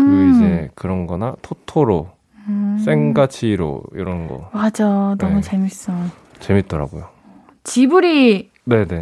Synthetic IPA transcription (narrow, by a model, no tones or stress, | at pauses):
id͡ʑe̞kɯɾʌnɡʌnatʰotʰoɾo | s͈e̞ŋɡat͡ɕʰiɾo̰ḭɾʌnɡʌ̰mad͡ʑʌnʌmut͡ɕe̞mis͈ʌ | t͡ɕe̞mit̚t͈ʌɾa̰ɡojo | t͡ɕibuɾi | ne̞ne̞